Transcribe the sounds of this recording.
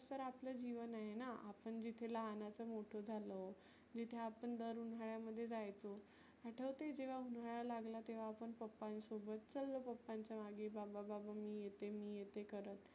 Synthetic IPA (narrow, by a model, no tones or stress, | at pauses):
t̪əɾapləd͡ʑiʋənajenaa̰pəɳd͡ʑit̪ʰeləɦanat͡səmoʈʰod͡zʱalə | d͡ʑit̪ʰjeapəɳd̪əɾunɦaɭjaməd̪ʱːjed͡zajt͡so | aʈʰəʋt̪ed͡ʑeʋ̤aunaɭalaɡlat̪eʋ̤aːpəɳpəpːansobət̪̚t͡səlːəpəpːaɲt͡ɕjamaɡebabababamiːjet̪emiːjet̪ekəɾət̪